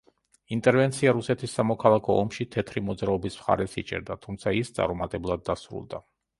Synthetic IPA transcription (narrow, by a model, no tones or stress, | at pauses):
int̪ʼɛɾvɛnt̪sʰiaɾusɛt̪ʰisːamɔkʰalˠakʰɔɔmʃit̪ʰɛt̪ʰɾimɔd̪zɾaɔbismχa̰ɾɛsḭt͡ʃʼɛ̰ɾd̪at̪ʰumt̪sʰaist̪sʼa̰ɾɔmat̪ʼɛblˠad̪ːasɾṵlˠd̪a